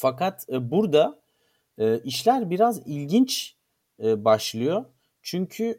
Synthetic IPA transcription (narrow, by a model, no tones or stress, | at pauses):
fakat̪buɾd̪a | ɯːʔiʃlʲæɾbiɾazilʲɟint͡ʃː | baʃlˠɯjo̞ | t͡ʃʰyɲcʰy